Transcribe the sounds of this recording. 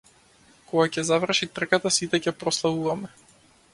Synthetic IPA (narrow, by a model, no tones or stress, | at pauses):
kɔɡacɛzavr̩ʃit̪r̩kat̪asit̪ɛcɛpɾɔslˠavuvamɛ